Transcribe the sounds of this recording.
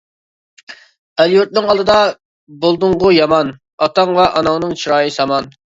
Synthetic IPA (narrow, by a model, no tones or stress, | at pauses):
ɛljuɾt̪̚nɨŋɑlˠd̪ɨd̪ɑ | bolˠd̪ʊɴʁʊjɑmɑn | ɑt̪ɑŋvɛʔɑnɑŋnɨŋt͡ʃʰiɾɑːjisɑmɑn